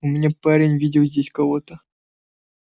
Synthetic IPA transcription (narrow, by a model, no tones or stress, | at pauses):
umʲnʲepaɾʲenʲvʲidʲɪwzʲdʲesʲkɐvot̪ə